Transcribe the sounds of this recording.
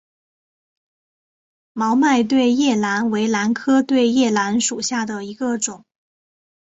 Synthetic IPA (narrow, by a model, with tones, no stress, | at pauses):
mɑ˧˥ʊma˥˧ɪt̪̬we˥˧ɪjɛ˥˩la˧˥nwe˧˥ɪla˧˥nkʰɤ˥t̪we˥˧ɪjɛ˥˩la˧˥nʂu˨˩ɕja˥˩d̪ə˩i˧˥ɡə˧ʈ͡ʂʊ˨˩˦ŋ